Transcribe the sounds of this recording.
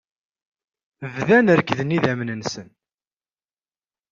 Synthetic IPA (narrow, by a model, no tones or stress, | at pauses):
vðænəɾkðəniðæmnənsən